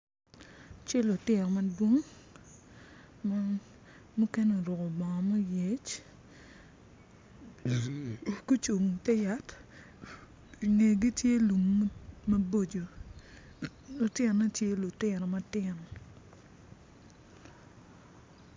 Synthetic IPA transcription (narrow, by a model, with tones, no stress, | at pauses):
t͡ʃe˦lʊ˨tɪ˨nɔ˨ma˨dwo˦ŋ | m | mu˦ke˦no˨ɾʊ˨kɔ˨bɔ˨ŋɔ˨mɔ˦je˨t͡ʃ | ku˦t͡ʃo˨ŋtɛ˦ja˦t | i˨ŋe˨ɡi˦tje˦lu˨mmɐ˦bo˦d͡ʒo˨ | lʊ˨tɪ˦˨na˦tje˦lu˨tɪ˨nɔ˨ma˦tɪ˨n˨